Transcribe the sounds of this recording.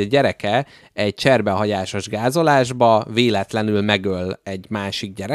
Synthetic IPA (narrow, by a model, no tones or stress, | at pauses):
ɟɛɾɛkɛ | ɛɟ̚t͡ʃɛrbɛɦɒɟaːʃo̞ʒɡaːzo̞laːʒbɒveːlɛt̪lɛnylmɛɡølːɛɟmaːʃiɡ̚ɟɛɾɛ